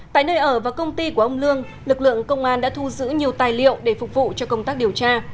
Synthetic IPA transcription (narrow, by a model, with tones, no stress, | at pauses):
ta̰ː˧˨jnəː˧jʔəː˧˩vaː˨˩kə˧wŋ͡mt̪i˧ku˧˩əʔə˧wŋ͡mlɨ˧əŋ | lɨ˨˩k̚lɨ̰˧˨əŋkə˧wŋ͡mʔaː˧nɗa̰ː˧˥t̪ʰu˧zɨ̰˧˥ɲi˨˩əwt̪aː˨˩jlḭ˧˨əwɗe˧˩fʊ˨˩k͡p̚vṵ˧˨t͡ɕɔ˧kə˧wŋ͡mt̪aː˦˥k̚ɗi˨˩əwt͡ɕaː˧